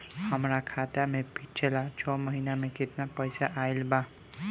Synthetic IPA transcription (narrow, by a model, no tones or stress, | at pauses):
həmɾakʰat̪jamepit̚t͡ʃʰelat͡ʃʰɔməɦinameket̪napəjsaʔailba